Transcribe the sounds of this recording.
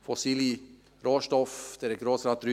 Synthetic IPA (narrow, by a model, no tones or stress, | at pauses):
fɔsiːlɪ | ɾoːʃʈɔfd̪̥ɛɾɛɡɾoːsɾɑt̪ɾ